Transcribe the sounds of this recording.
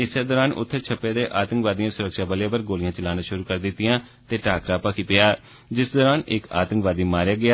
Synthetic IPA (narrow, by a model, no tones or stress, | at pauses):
ɪseːd̪ɔːɾaːnʔʊ̰t̪ʰːt͡ʃʰəpːeːd̪eːʔaːt̪əŋkʋaːd̪ijãːsʊɾəkʃaːbəlaːpəɾɡoːlɪjãːt͡ʃəlaːnãːʃʊɾuːkəɾd̪ɪt̪ːɪjãː | t̪eːʈaːkɾãːpakʰipɪjaː | d͡ʒɪsd̪ɔːɾaːnɪka̰ːt̪əŋkʋaːd̪iːmaːɾjaːɡɪaː